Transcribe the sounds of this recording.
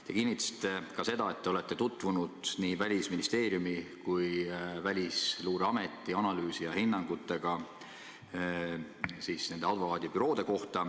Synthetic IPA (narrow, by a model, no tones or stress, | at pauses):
t̪e̞kinːit̪ːˑɑsi̥t̪ːˑe̞kɑse̞d̪ɑe̞t̪ːeole̞t̪ːe̞t̪ut̪ːˑvunud̪̥niːvælʲisminist̪e̞ːɾjumikujvælʲisluːɾeɑme̞t̪ːˑiɑnɑlyːsijɑhinːɑŋɡ̥ut̪ːˑe̞ɡ̥ɑ | siːsne̞nd̪e̞ɑd̪vokɑːd̪̥ʲipyɾo̞ːd̪̥e̞ko̞ht̪ɑ